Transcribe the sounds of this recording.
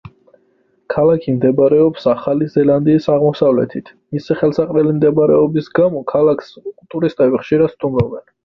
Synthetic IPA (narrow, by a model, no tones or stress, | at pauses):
kʰalakʰimd̪ɛbaɾɛɔpsaχalizɛland̪iːsaʁmɔsavlɛ̰t̪ʰit̪ʰmisiχɛlˠsaqʼlɛlimd̪ɛbaɾɛɔbisɡamɔkʰalakʰskʼut̪ʼuɾist̪ʼɛbiχʃiɾad̪st̪ʼumɾɔbɛn